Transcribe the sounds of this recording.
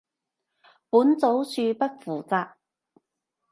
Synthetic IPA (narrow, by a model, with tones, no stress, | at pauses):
puː˨˥nt͡so˨˥wt͡sʰyː˧pɐ˥t̚fuː˨˩t͡saː˧k̚